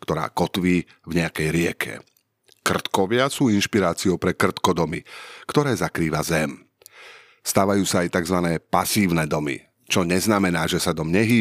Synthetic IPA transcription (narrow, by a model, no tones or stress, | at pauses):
kt̪ɔɾa̰ːkɔt̪ʋiː | vɲɛakɛjɾɪɛ̰kʰɛ̰ | kr̩t̪kɔʋɪasuːinʃpiɾaːt͡siɔʊpɾɛkr̩t̪kɔd̪ɔmḭkt̪ɔɾɛːzakɾiːʋa̰zɛm | st̪aːʋajuːsaːjt̪aɡzʋanɛːpasiːʊnɛd̪ɔmḭ | t͡ʃɔɲɛznamɛnaːʒɛsad̪ɔmɲɛɦiː